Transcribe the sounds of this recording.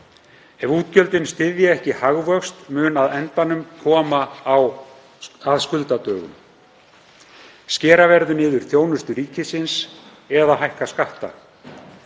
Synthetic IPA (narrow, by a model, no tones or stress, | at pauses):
ɛvuːt̪̚cœlt̪ɪnst̪ɪðjaɛhcɪhaɣvœxst̪mʏːnaðɛnt̪anʏmkʰɔːmaːw | aðskʏlt̪at̪œːɣʏ̰m | scɛːɾavɛɾðʏnɪːðʏɾ̥θjoːwnʏst̪ʏɾiːcɪsɪns | ɛðaɦajhkaskaht̪a̰